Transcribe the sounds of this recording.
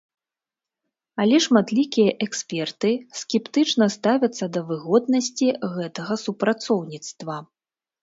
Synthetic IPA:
alʲɛʂmat̪lʲikʲijɐʔɛksʲpʲɛrt̪ɨskʲɛpt̪ɨt͡ʂnɐst̪avʲɐt̪sːɐd̪ɐvɨɣɔd̪nɐsʲt͡sʲiɣɛt̪ɐɣɐsupɾat̪sɔwnʲit̪st̪vɐ

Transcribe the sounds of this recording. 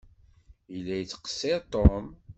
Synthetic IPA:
ilːæjt͡sːə̥qə̥sːet̪om

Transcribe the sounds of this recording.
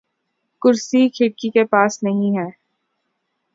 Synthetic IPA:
kʊɾsikʰɪʈkikepaːsnɐɦĩɦɛː

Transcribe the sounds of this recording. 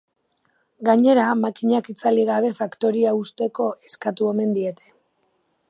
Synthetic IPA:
ɡaɲe̞ɾamakiɲakit͡saliɣaβ̞e̞fakt̪o̞ɾiaust̪e̞ko̞e̞skat̪ue̞me̞nd̪ie̞t̪e̞

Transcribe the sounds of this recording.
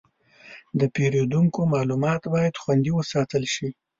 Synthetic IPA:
d̪əpeɾod̪uŋkomɑlumɑt̪bɑjad̪xwand̪iwəsɑt̪əlʃi

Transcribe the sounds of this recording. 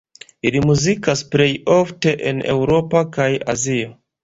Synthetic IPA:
ilimuzikaspɾejo̞fte̞ʔene̞̰wɾo̞pakaja̰zio

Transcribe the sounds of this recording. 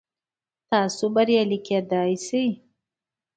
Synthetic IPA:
t̪ɑsubaɾjaliked̪ɑjsij

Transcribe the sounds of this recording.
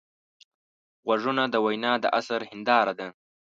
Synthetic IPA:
ɣwaʐunad̪əwajnɑd̪əʔasaɾhɪnd̪ɑːɾad̪a

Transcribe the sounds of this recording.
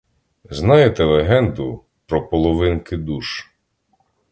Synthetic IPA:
znɑjet̪ɛlˠeɦɛnd̪ʊ | pɾɔpɔlˠɔʋɪnkɪd̪uʃ

